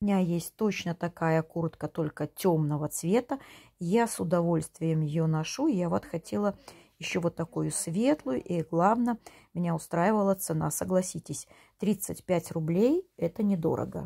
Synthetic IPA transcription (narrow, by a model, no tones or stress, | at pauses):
ʊmʲɪnʲajesʲtʲt̪ot͡ɕnət̪ɐkajəkuɾt̪kət̪o̞lʲkətʲo̞mnəvət̪svʲe̞t̪əjasʊd̪ɐvo̞lʲst̪vʲɪjəmjɪjonɐʂuɪjavot̪xɐtʲe̞lˠə | jɪɕːovo̞t̪ːɐkujʊsvʲe̞t̪lˠʊjʊʔiɡlˠavnə | mʲɪnʲaʊst̪ɾajɪvəlˠət̪sɨna̰səɡlˠɐsʲitʲɪsʲ | t̪ɾʲit̪sɨtʲpʲætʲrʊblʲejɛt̪ənʲɪd̪o̞̰ɾə̰ɡə̰